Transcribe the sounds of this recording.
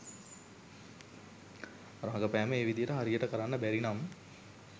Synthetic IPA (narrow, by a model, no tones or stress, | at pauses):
ɾãːɡɐpæːmɐeːʋid̪iɐɾɐɦɐɾijɐʈɐkɐɾaːnːɐbɛɾinaːm